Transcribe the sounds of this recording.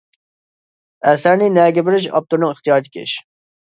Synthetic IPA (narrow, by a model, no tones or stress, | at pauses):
ɛsæɾnɪnɛːɡʲɛbɪɾɪʃɑ̰p̚t̪uɾnɨŋɪχt̪ijɑːɾt̪ʰɪ̥kʲʰḛʃ